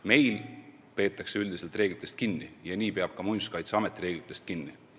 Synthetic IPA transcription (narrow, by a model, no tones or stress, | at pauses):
me̞jl | pe̞ːt̪ˑːɑkseyld̪ise̞lt̪ˑre̞ːɡlit̪ːˑe̞st̪̚kinːijɑniːpeɑb̥̚kɑmunskɑjt̪seɑmet̪ːiɾe̞ːɡ̥lit̪ˑːe̞st̪̚kinːi